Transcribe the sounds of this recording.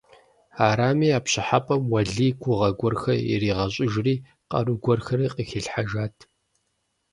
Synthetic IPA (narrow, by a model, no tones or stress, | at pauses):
aːɾaːmiːaːpɕɪħapʼɐmwɐɮiːkʷʰʊʁɐɡʷɔrxɐjɪ̰riːʁɐɕʼɪʒriː | qɐ̰ruɡʷɔrxɐriːqʼixɪɬħaʒaːtʰ